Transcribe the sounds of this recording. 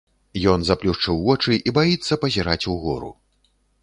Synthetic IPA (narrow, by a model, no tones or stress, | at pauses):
jɔnzaplʲuʂt͡ʂɨwvɔt͡ʂɨʔibajit̪sːɐpɐzʲiɾat͡sʲuɣɔ̰ɾṵ